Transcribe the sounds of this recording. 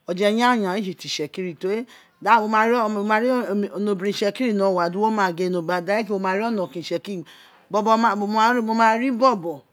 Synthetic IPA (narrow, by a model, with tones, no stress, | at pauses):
ɔ˨d͡ʒɛ˦ɲa˦˨ɲa˨i˦d͡ʒi˨ti˨ʃɛ˨ki˦ɾi˨to˨˦e˦ | da˦˨wo˨ma˧ɾma˨ɾi˦˨o˨no˨bɾi˨ʃɛ˨ki˦ɾi˦˨nɔ˨wa˨du˦o˦ma˨ɡe˨˦˨no˨ba˨da˦e˦k̬i˦wo˨ma˨ɾi˦ɔ˦nɔ˨ki˨ʃɛ˨ki˦i˨ | bɔ˦bɔ˦ma˦˨o˨m˦ɾmo˧ma˦ɾi˦bɔ˦bɔ˨